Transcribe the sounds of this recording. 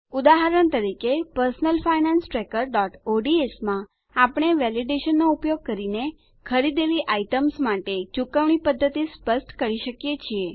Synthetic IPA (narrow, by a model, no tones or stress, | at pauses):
ud̪aɦəɾəɳt̪əɾikepəɾsənəlfainansʈɾekəɾɖɔʈoɖiesmã | apɳ̃eʋɛliɖeʃənːoupjoɡ̚kəɾine | kʰəɾid̪eliʔaiʈəmsmaʈet͡ʃukəʋɳ̃ipəd̪ʱːət̪ispəsʈkəɾiʃəkjet͡ʃʰie